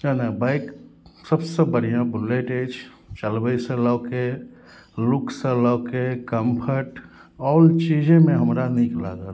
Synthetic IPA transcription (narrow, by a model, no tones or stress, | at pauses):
anãbaɪksəbsebəɽ̤ijãbʊleːʈeːt͡ʃ | t͡ʃəlbəisələːke | lʊksələkekəmpʰəʈ | ɔːlt͡ʃiːd͡ʒẽmẽɦəmɾanikla̰ɡa